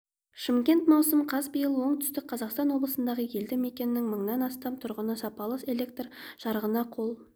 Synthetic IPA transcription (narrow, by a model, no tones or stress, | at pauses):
ʃɪmkʲe̞nt̪mɑwsəmqʰɑzbəjəlˠwo̞ɴt̪ʰʏ̥st̪ɪk̚qʰɑzɑqst̪ɑnwo̞blˠəsənd̪ɑʁəje̞ld̪ɪme̞kʲe̞nɪnɪŋməɴnɑnɑst̪ɑmt̪ʰʊɾʁənəsɑpɑlˠəse̞lʲe̞k̚t̪rʒ̥ɑɾəʁənɑqʰo̞lˠ